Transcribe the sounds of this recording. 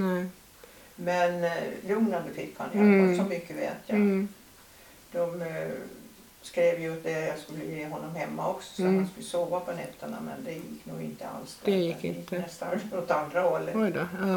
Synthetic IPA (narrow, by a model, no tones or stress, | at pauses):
nɛ | mɛnlɵŋnad̪əfɪkːha̰njɑsɔmʏkːəvḛːt̪ʰjɑ | d̪̥ɔm | skɾeːvjt̪̚d̪ɛjɑskɵlːəjeːaɦɔnːɔmhɛmːaɔksɔ̥sɛt̪hanskɵlːəsoːvapʰɔnɛt̪ːəɳa̰mɛ̰nd̪ɛjɪkːnṵːɡɪ̰nt̪əa̰lsd̪ɛɪɪt̪ənɛst̪anmot̪and̪ɾahɔlːɔjd̪